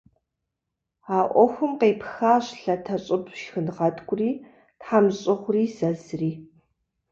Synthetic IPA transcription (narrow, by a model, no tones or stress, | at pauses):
aːʔʷɔxʷʊmqeːpxaːɕɬɐtʰɐɕʼɪpʰʃxɨnʁɐtʰʼɡʷʼʊriː | tħaːmɕʼɪχʷriːzɐzriː